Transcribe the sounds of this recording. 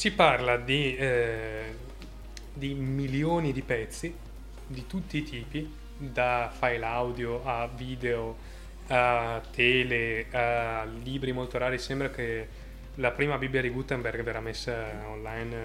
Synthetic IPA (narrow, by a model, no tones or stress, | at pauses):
siparlad̪i | d̪imiljoːnid̪ipɛt̪sːi | d̪it̪ut̪ːiːt̪ʰiːpi | d̪afajlawd̪joaviːd̪eo | at̪ʰːɛːlealiːbɾimolt̪oɾaːɾisɛmbɾake | lapɾiːmabibːjad̪iɡut̪ːɛmbɛrɡvɛɾamesːaonlajn